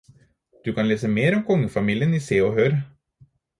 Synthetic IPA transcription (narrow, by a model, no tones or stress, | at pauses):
d̪̥ʉkɑnleːsəmeːɾɔmkʰɔŋːəfɑmiːljəniseːɔɦøːɾ